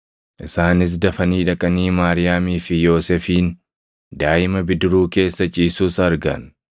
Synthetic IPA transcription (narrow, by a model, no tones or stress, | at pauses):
ʔɪsaːnɪs̬d̪ɐfɐniːᶑɐkʼɐniːmaːɾɪjaːmiːfɪjo̞ːsɛfiːn | d̪aːʔɪmɐbɪd̪ɪɾuːke̞ːsːɐt͡ʃʼiːsuːsɐɾɡɐ̰n